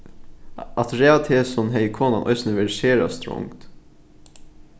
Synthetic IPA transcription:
ɑt̪ɾɛːat̪ʰeːsɔnɦɛjkʰoːnanʔɔ̰ʏsnəʋɛɾʃeːɾa̰st̪ɾʊ̰ŋt̪

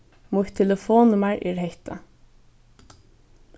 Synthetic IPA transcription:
mʊt̪ʰːɛləfoːnʊmaɹʔɛ̰ːɹhɛht̪ʰa̰

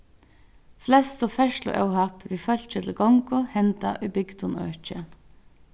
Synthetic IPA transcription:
flɛst̪ɔfæʃlʊ̰ːʔɑ̰ʊhɑpʋiːfɑlt͡ʃət̪ʰlɡɔŋkʊhɛnt̪ɑ̰ʔiːbʏɡt̪ʊnø̰ːt͡ʃə

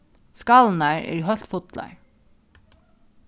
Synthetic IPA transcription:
skɑːln̩æːɹḛːɾhœɬt̪fʊt̪ʰlɑ̰ɪ

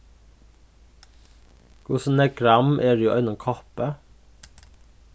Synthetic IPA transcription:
kʰʊsn̩ɛkɾɑmʔeːɖʉːʔœʏnɔmkʰɔpə

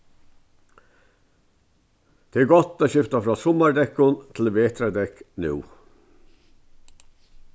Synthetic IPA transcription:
d̪̥eːæːɡɔt̪ːoːʃɪft̪ɑfɾɑːsɔmɑɹd̪ɛkʊnt̪ʰl̩ʋeːt̪ʰɾəd̪ɛknʉ̰ː

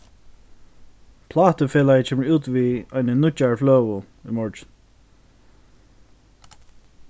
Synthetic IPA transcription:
pʰlɑːt̪əfeːlajt͡ʃʰɛːməɹuːt̪viɔjnənʊt͡ʃaɹflœːwʊ | ʏmɔɹt͡ʃn

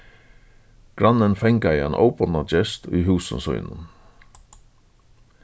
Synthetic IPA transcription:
ɡ̥ɾɑnənfɛŋkɑiːḛːnʔo̰ʊpənɑd͡ʒɛst̪ʰiːhʉːsə̰sœ̰ʏnə̰n

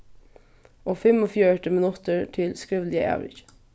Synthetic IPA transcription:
ʔoːfɛmoːfjøʈəmənʊt̪əɹʈʰɪlskɹɪʋlɪə̰ʔæ̰ːʋɪ̰ç

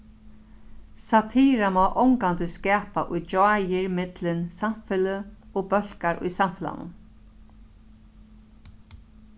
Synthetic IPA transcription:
sat̪ʰiːɾamɔːʔɔwŋkant̪ʏskɛːpaʔʊjd͡ʒajɪɹmɪt̪lɪnsamfɪləɔːbœl̥kaɾʔʊ̰jsamfɪla̰nʊ̰n

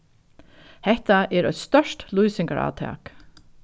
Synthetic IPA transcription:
hɛht̪aʔɛːɾœ̰ʏt̪st̪œʂtlujsɪŋkaɾɑ̰ːt̪ʰɑ̰ːk

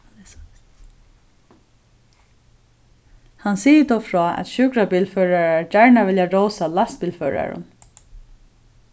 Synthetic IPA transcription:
hansiːjət̪ɔːfɹɔːʔɛ̰t̪ʃʏkɾabiːlfœːɹaɹaɹd͡ʒaɹɳaʋɪljaɹowsalast̪̚piːlfœːɹa̰ɹʊ̰n

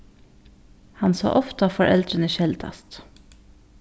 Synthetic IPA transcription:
hɑnso̰ːʔɔft̪əfɔɾʔɛ̰ld̪ɾənəʃɛld̪ɑ̰st̪

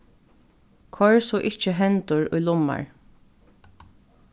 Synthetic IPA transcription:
kʰɔɹsɔːʔɪht͡ʃəɦɛnt̪ʊɹʊ̰jlʊma̰ɹ

